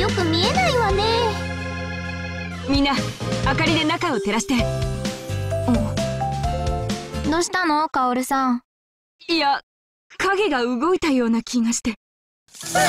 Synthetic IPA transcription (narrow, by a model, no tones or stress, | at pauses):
jo̞kɯ̟mʲienaiβane | mʲĩnːaakaɾʲid̪e̞nakao̞t̪e̞ɾaɕi̥t̪e | oː | d̪oɕi̥t̪anokaoɾɯ̟sãŋ | ia | kaɡe̞ɡaɯ̟ɡo̞it̪ajo̞ːnakʲiɡaɕi̥t̪e̞